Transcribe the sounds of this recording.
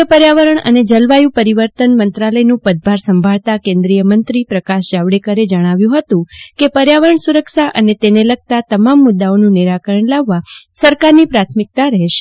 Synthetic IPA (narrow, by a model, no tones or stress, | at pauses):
əpəɾjaʋəɾəɳə̰ned͡ʒəlʋajũpəɾiʋəɾt̪ənmənt̪ɾaləjnũpəd̪̚bʱaɾsəmbʱaɭt̪akẽnd̪ɾijəmənt̪ɾipɾəkaʃd͡ʒaʋɽekəɾed͡ʒəɽ̃aʋjũɦət̪ũkepəɾjaʋəɾəɳsuɾəkʃaʔənet̪eneləɡ̚t̪at̪əmamːʊd̪ːaonũniɾakəɾəɳlaʋːasəɾkaɾnipɾat̪ʰmɪk̚t̪aɾəɦʃe̥